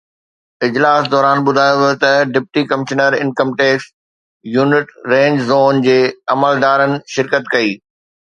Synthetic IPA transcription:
ɪd͡ʑlaːsd̪ɔːɾaːnɓʊd̪ʱaːjoʋt̪ɐɖɪp̚ʈikɐmɪʃnəɾɪ̃nkə̃mʈeːks | juːnɪʈɾẽːɲd͡ʑzoːnd͡ʑeːɐməld̪aːɾənɪ̆ʃɪɾkət̪kɐiː

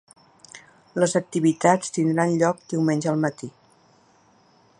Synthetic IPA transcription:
ləzək̚t̪iβit̪at͡st̪ind̪ɾanʎɔk̚d̪iwmenʲʒəəlˠmət̪i

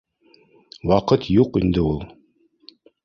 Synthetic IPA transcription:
wɑqɤt̪juqind̪ɘulˠ

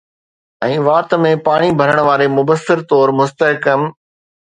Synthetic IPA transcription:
ɛ̃ːʋaːt̪mẽpaːɽ̃ibʱɐɾəɽ̃ʋaːɾemʊbəsːɪɾt̪ɔːɾmʊst̪əɦkəm

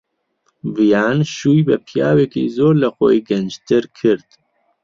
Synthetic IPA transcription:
vijɑːnʃuːjbəpʰjɑːwekḭzoːɾlɐxo̰jɡɐnd͡ʒt̪ʰɪɾkʰɨɾt̪

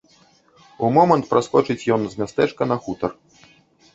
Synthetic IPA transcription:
umɔmɐnt̪pɾʔaskɔt͡ʂɨt͡sʲjɔnzʲmʲast̪ɛt͡ʂkɐnɐxut̪ɐr

